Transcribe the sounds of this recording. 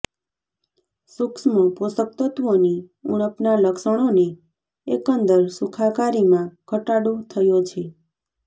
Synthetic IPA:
suksməposək̚t̪ət̪ʋoniuɽ̃əpnaləkʃəɽ̃one | ḛkənd̪əɾsukʰakaɾimãkʰəʈaɽot̪ʰəjot͡ʃʰe

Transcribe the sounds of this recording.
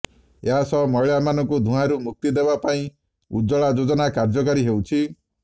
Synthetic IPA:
eɦasɔmɔɭamanɔŋkud̪ʱũɦãɾumuk̚t̪id̪ebapaĩ | ud͡ʒɔɭad͡ʒod͡ʒɔnakaɾd͡ʒɔk̬aɾiɦewt͡ʃʰi

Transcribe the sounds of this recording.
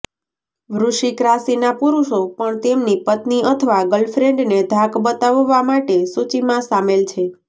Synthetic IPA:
ʋɾuʃikɾasinapuɾuʃopəɳt̪emnipət̪niət̪ʰəʋaɡəlfɾeɳɖned̪ʱakbət̪aʋːamaʈesut͡ʃimãsamelt͡ʃʰe

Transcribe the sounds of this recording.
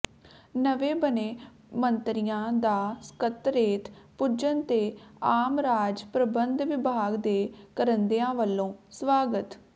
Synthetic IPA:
nəʋeːbəneː | mənt̪ɾɪjãːd̪aːskət̪ɾeːt̪ʰpʊd͡ʒənt̪eːaːmɾaːd͡ʒpɾəbənd̪ʋɪbʱaːɡd̪eːkəɾənd̪eãːʋəlːõːsʋaːɡət̪

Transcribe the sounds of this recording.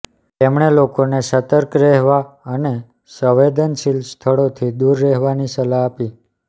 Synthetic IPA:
t̪emɳelokonesət̪əɾkɾɛɦʋaəne | səʋed̪ənʃilst̪ʰəɭot̪ʰid̪uɾːɛɦʋanisəlaːpi

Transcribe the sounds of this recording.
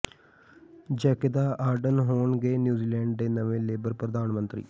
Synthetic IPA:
d͡ʒɛːked̪aːʔaːɾɖənɦoːɳɡeːnjuːziːlɛ̃ːɳɖd̪eːnəʋẽːleːbəɾpɾəd̪aːnmə̃nt̪ɾḭː

